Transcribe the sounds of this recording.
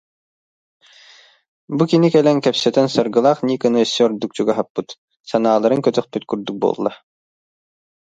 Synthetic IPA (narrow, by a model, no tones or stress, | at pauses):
bukinikɛlɛŋkɛpsɛt̪ɛnsɔɾɡɯlˠaχniːkɯnɯsʲːøɾd̪uk̚t͡ɕuɡaɦapːɯt̪ | sanaːlˠaɾɯŋkœt̪œχpyt̪kyɾd̪yk̚bo̰ːlˠːa